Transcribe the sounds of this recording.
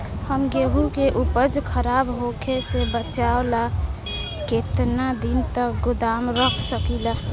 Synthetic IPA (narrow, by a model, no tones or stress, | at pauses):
həmɡeɦukeʔupəd͡ʒkʰəɾaːbɦokʰesebət͡ʃaola | ket̪nad̪int̪ək̚ɡʊd̪aːmɾəkʰsəkila